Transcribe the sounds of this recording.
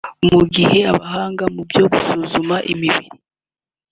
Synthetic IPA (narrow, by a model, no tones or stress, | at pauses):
muɡihe̞aβaɦaːŋɡamubjo̞ɡusuːzumaʔimiβḭɾi